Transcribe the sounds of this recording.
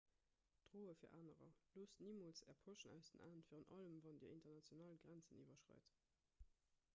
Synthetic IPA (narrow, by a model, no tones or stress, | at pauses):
d̥ʁoːəfiːɐʔaːnəʁɐ̰loːsniːmoːlt͡sɛ̰ɐpʰoʃənæ̰ʊsd̥ənʔa̰ːəntfiːʁənʔɑləmvɑndḭːɐintɐnɑt͡sjonaːlɡʁænt͡sənivɐʃʁɑ̰ɪt